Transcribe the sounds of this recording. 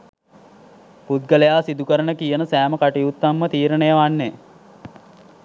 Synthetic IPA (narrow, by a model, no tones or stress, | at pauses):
put̪̚ɡəlejaːsid̪ukəɾənəkijənəsæːməkaʈijut̪ːamːət̪iːɾənejəʋanːe